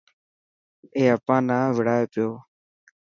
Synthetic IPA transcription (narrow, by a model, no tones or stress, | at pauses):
eːəpãːnaːʋɪɽaːeːpɪjoː